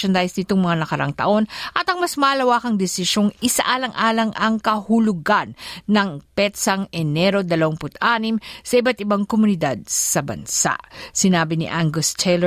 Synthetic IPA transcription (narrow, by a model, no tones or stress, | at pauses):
ɐnd̪ajsnɪt̪oŋmɐŋanɐkɐɾaŋt̪ɐ̰ʔo̞nʔɐt̪ɐŋmɐsmɐʔɐlɐwaːkɐŋd̪ɛsɪʃo̞ŋɪsa̰ʔaːlɐŋʔaːlɐŋʔɐŋkɐhʊlʊɡanːɐŋpɛt̪sɐŋɛnɛɾo̞d̪ɐlɐwaŋpʊt̪ʔaːnimsɐʔibat̪̚ɪbaŋkomʊnɪd̪ad̪̚sɐbɐ̰nsa̰ʔsɪnaːbɪnḭʔaŋɡost̪ʰɛlɛ